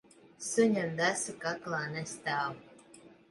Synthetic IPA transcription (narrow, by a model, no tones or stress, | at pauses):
suɲamd̪æsɨkaklˠaːnɛst̪aːw